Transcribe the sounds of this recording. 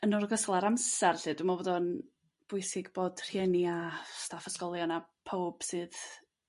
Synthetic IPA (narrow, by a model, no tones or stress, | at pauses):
ənɔrɡəslˠaɾamsɛrɬɨːdumabɔːdɔn | b̥ʊɨsɪɡboːd̥r̥jɛniastafəskɔlˠjɔnapʰowb̥sɨːð